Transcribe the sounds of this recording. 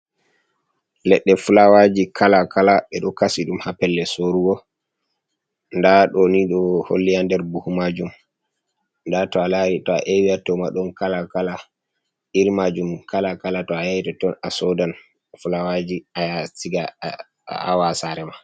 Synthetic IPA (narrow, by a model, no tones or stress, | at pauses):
lɛɗːɛfulawad͡ʒikʰalakʰalaɓɛɗɔkasiɗumhapːɛlːɛsoɾuɡɔ | ndaɗɔniɗɔho̰lːijandɛɾbuhumad͡ʒum | ndatɔalaɾitɔa̰ʔewiatɔmaɗɔnkalakala | iɾmad͡ʒumkʰalakalatɔajajitɔtɔnasɔdan | fulawad͡ʒiajasiɡa | a̰wasaɾɛma